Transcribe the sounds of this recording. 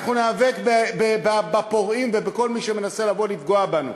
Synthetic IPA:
χnuneave̞kbebebabapo̞ʁimvebeko̞lmiʃeme̞nase̞lavo̞lifɡo̞abanṵ

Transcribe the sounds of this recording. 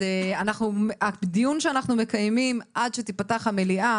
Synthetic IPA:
eanaχnumabd̪ijunʃeanaχnume̞kajmimʔadʃet̪ipataχhameliʔa

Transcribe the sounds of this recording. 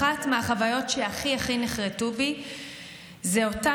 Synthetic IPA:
atmeaχavajo̞tʃeaχiaχineχʁetubi | zeo̞ta

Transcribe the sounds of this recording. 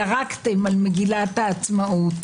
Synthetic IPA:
aʁakt̪emalmeɡilat̪aːt͡smaʔut̪

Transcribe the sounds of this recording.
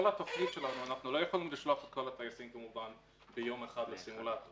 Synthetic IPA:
olat̪aflid̪ʃe̞lanuanaχnulo̞jaχolinuliʃloafet̪̚ko̞lhat̪ajasimkemuvan | bejo̞meχad̪lesimulat̪o

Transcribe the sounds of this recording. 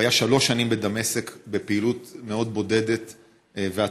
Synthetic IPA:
ajaʃalo̞ʃanimbed̪amesekbepeilut̪me̞o̞d̪̚bo̞de̞d̪e̞t̪ | vea

